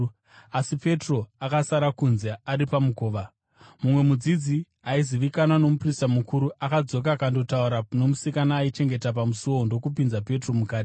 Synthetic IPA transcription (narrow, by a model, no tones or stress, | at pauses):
asipe̞tro̞akasaɾakunzeaɾipamuko̞ːʋa | mumwe̞mud͡zid͡zi | aiziʋikanwano̞mupristamukuɾuʔakad͡zo̞k̬akando̞tauɾano̞musikanaːit͡ʃe̞ŋɡe̞tap̬amusoondo̞kupinzape̞tro̞mukaːti